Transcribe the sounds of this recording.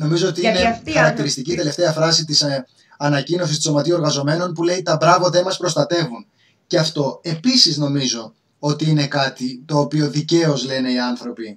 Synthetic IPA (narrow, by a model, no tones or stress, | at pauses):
no̞mizo̞ot̪iinexxɐɾɐk̚t̪iɾist̪icit̪e̞le̞ft̪e̞ɐfɾɐsit̪̬is | ɐnɐcino̞sist̪i̥so̞mɐt̪iuo̞ɾɣɐzo̞me̞no̞npule̞it̪ɐbɾɐvoðe̞nmɐspɾo̞st̪ɐt̪e̞vun | ceɐft̪o̞e̞pisizno̞mizo̞ | o̞t̪iine̞kɐt̪it̪o̞ːpio̞ðice̞o̞zle̞ne̞iɐnθɾo̞pi